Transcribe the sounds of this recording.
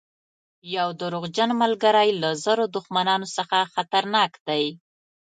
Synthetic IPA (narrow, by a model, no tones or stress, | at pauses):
jawd̪əɾoɣd͡ʒanmalɡaɾajlazəɾod̪ʊxmanɑnosəxaxat̪aɾnɑkd̪aj